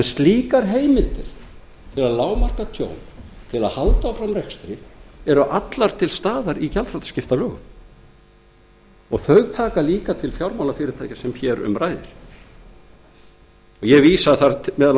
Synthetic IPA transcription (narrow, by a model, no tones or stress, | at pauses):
ɛnst̪liːkaɾɦeːjmɪlt̪ɪɾ̥ | t̪ʰɪlaðlaːwmar̥kat̪ʰjo̰ːwnt̪ʰɪlaðhalt̪awfɾamrɛkst̪ɾɪɛɾʏʔat̪laɾ̥t̪ʰɪlst̪aːðaɾicalt̪fɾawt̪scɪft̪alœːɣʏ̰m | ɔɣθœɥɣt̪ʰaːkaliːkat̪ʰɪlfjawɾmawlafɪːɾɪɾ̥t̪ʰajcasɛmçɛɾʏ̰mɾaːjðɪ̰ɾ̥ | ɔɣjɛviːsaθaɾmɛːða